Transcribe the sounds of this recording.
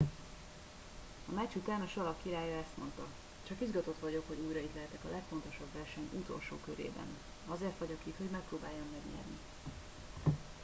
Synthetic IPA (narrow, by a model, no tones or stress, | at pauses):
ɒmaːt͡ʃut̪aːnɒʃɒlɒkːiɾaːjɒɛst̪mo̞nt̪ɒ | t͡ʃɒkizɡɒt̪o̞t̪ʋɒɟo̞kho̞ɟuːjrɒit̪lɛɦɛt̪ɛkɒlɛkfo̞nt̪o̞ʃɒbvɛrʃɛɲut̪o̞̰lʃo̰ːkøɾḛːbɛ̰n | ɒzeːrt̪ʋɒɟokit̪ho̞ɟmɛk̚proːbaːjːonːɛɡɲɛ̰rnḭ